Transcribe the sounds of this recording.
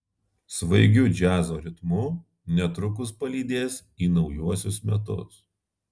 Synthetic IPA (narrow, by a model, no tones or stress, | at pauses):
sʋɐɪɡʲʊd͡ʒʲæːzoːɾʲɪt̪mu | nʲɛt̪ɾʊk̬ʊspɐlʲiːd̪ʲeːs | iːnɒʊjuɔsʲʊsmʲɛt̪̬ʊ̰s